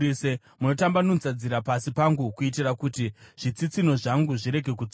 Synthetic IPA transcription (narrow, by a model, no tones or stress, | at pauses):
se | muno̞tambanonzad͡ziɾapasipaŋɡukuit̬irakutiʐ̥it͡sit͡sino̞ʐaŋɡuʐiɾe̞ɡʱe̞k̬u